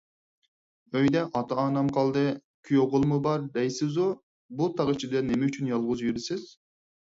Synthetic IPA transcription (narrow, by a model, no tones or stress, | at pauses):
øjd̪ɛʔɑt̪ʰɑɑːnɑmqʰɑlˠd̪ɨ | kʲʰyjoʁʊlˠmʊbɑɾd̪ɛjsɪzu | bulˠt̪ʰɑʁit͡ʃʰid̪ɛnemeyt͡ʃʰynjɑlˠʁʊzjyɾɪsɪz̥